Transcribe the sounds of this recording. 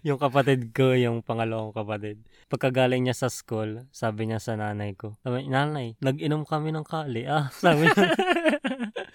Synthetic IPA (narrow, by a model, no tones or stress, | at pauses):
jʊŋkɐpɐt̪ɪd̪̚kojʊŋpɐŋɐlɐʔoŋkɐpɐt̪ɪd̪̚ | pɐɡ̚kːɐɡaːlɪŋɲasɐskulsaːbɪɲasɐnaːnɐjko̞naːnɐjnɐɡʔɪnomkɐmɪnɐŋkaːlɪʔasaːbɪɲa